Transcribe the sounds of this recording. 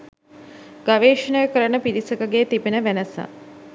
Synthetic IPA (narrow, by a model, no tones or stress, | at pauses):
ɡ̥aʋeːʃənəjəkəɾənəpiɾisəkəɡeːt̪ipenəʋænəsa̰